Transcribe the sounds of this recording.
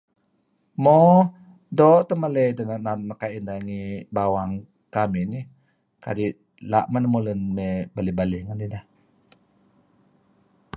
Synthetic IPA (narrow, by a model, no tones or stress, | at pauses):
mɔ | dɔʔt̪əmaləjdanananəkaindaŋibawaŋ | kamini | ka̰diʔ | la̰ʔmanamolənmebalibaliŋandidah